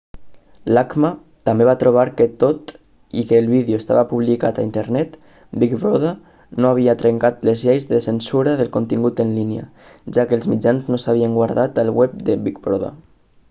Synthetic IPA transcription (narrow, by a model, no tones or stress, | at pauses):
lakma | t̪ambeβ̞at̪ɾuβ̞aɾkət̪ot̪ | ḭkəːlˠβiðjoest̪a̰βapuβlikat̪aint̪əɾnɛt̪ | bikbɾoða | noaβ̞iat̪ɾəŋkat̪ləzʎejzðəsənsuɾaðəlˠkont̪iŋɡut̪ənliniə̰ | ʒakəːlˠzmid͡ʒanznosaβ̞iəŋɡwaɾðat̪əlˠwɛp̚d̪əβikbɾoða̰